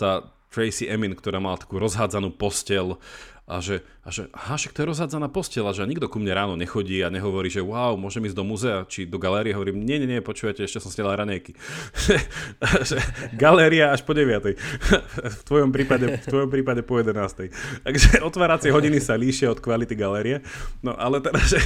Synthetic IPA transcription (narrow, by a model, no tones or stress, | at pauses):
t̪aːt̪ɾɛjsiʔɛminkt̪ɔɾaːmalat̪ḁkuːɾɔzɦaːd͡zanuːpɔscɛlʔa̰ʒɛ | aʒɛaɦaʃakt̪ɔjɛɾɔzɦaːd͡zanaːpɔscɛlaʒɛaɲiɡd̪ɔkumɲɛɾaːnɔɲɛxɔɟiːaɲɛɦɔʋɔɾiːʒɛʊaːʊmʊɔʒɛmiːzd̪ɔmuzɛat͡ʃid̪ɔɡalɛːɾiɛɦɔʋɔɾiːmɲɪɛɲɛɲɛpɔt͡ʃuːʋacɛɛʃcɛsɔmsɲɛlaːɾaɲɛjkiʒ̥ɛʒɛɡalɛːɾiaaʃpɔɟɛʋɪat̪ɛj | ft̪ʋɔjɔmpɾiːpaɟɛft̪ʋɔjɔmpɾiːpaɟɛpɔjɛd̪ɛnaːst̪ɛjt̪aɡʒɛɔt̪ʋaːɾat͡sɪɛɦɔɟinisaliːʃɪaɔt̪kʋalit̪iɡalɛːɾiɛnɔ̰ʔalɛt̪ɛdazʒɛ